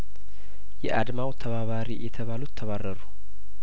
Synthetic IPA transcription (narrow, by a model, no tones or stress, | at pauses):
jɛʔad̪mawt̪ʰəβaβaɾijɛt̪ʰəβalut̪ʰːəβarːəɾu